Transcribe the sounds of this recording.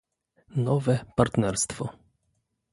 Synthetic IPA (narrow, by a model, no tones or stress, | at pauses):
nɔvɛpaɾt̪nɛɾst̪fɔ